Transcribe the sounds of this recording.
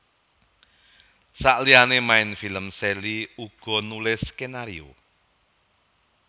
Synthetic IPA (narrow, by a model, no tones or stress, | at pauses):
saʔlianemaɪnfiləmseliuɡ̥ɔ̤nulɪskenaɾio̰